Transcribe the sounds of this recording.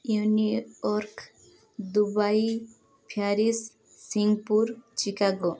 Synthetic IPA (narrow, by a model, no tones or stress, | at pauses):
juniɔɾkʰ | d̪ubaj | pʰjaɾisː | iŋɡpuɾt͡ʃikaɡɔ